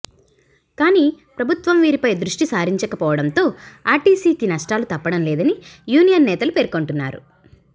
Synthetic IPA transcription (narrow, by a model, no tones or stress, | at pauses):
kaːniːpɾɐbʱut̪ʋɐmʋiːɾipɐjd̪ɾuʂʈisaːɾiɲt͡ʃɐkɐpɔːʋɐɽɐnt̪o̞ːaːʈiːsiːkinɐʂʈaːlut̪ɐpːɐɽɐmlɛːd̪ɐnijuːnijɐnːɛːt̪ɐlupeːɾkoɳʈunːa̰ːɾṵ